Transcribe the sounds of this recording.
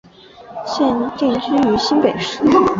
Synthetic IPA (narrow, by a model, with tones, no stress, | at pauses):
ɕjɛ˥˧nt̪i˥˩˥ʂi˥y˧˥ɕi˥npe˨˩ɪʂɻ̩˥˩